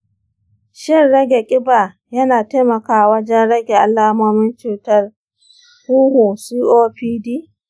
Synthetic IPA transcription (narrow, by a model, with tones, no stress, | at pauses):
ʃɪ˦rɽɐ˦ɡʲe˨kʲʼɪ˦baː˨ | jɐ˦naː˨teː˦mɐ˨kaː˨wɐ˦d͡ʒɛ˦nɽɐ˦ɡʲe˨ʔa˨lːaː˦moː˦mɪ˦nt͡ʃuː˨tɐ˦r | huː˦hu˨siː˦ʔoː˦ɸiː˦diː˦